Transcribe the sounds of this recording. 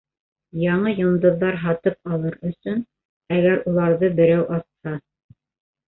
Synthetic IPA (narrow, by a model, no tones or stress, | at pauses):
jɑɴɤjŏnd̪ɤ̆ðːɑɾɦɑt̪ɤpɑlˠɤɾɵ̆sɵn | æɡæɾulˠɑɾðɤbɘ̆ɾæwʔɑshɑ